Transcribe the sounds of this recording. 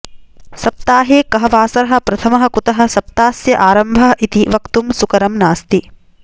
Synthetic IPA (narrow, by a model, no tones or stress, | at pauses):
sɐp̚t̪aːɦeːkɐɦɐʋaːsɐɾɐɦɐ̆pɾɐt̪ʰɐmɐɦɐ̆kut̪ɐɦɐ̆sɐp̚t̪aːsjɐʔaːɾɐmbʱɐɦɐʔit̪iʋɐkt̪umsukɐɾɐmnaːst̪i